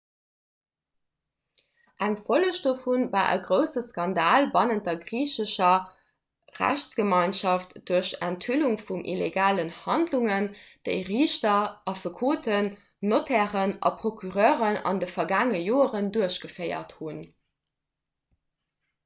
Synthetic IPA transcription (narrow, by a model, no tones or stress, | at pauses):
ʔæŋfoləʃd̥oːfunvaːʔə̰ɡʁəʊsəskɑndaːlbɑnənt̚dɐɡʁiːɕəɕɐ | ʁæ̰ɕt͡sɡ̥əmɑɪnʃɑftd̥uɐɕæntʰhyluŋfumʔḭleɡaːlənhɑndluŋənd̥əɪʁiːɕtɐʔɑfəkʰoːtʰənː | otʰæːʁənʔɑ̰pʁ̥okʰyʁœːʁənɑ̰ndəfɐɡaːŋəjoːəʁənduɐəɕɡ̥əfɜɪɐ̰thun